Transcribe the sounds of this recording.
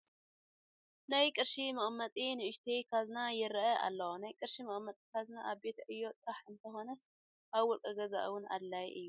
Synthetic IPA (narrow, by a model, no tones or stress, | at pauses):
najkʼɨɾʃimɐχʼmːɐt̪ʼinɨʔɨʃt̪ʰikʰaznajɪɾɐʔɐʔa̰lːɐwonajkʼɨɾʃimɐχʼmːɐt̪ʼikʰaznaʔaβbe̞t̪ʰɐʔɨjːo̞t̪ʼɾaħɨnt̪ʰɐxo̞nɐs | ʔaβwɔlkʼɐɡɐza̰ʔwʊna̰d̪lajʔɨjːu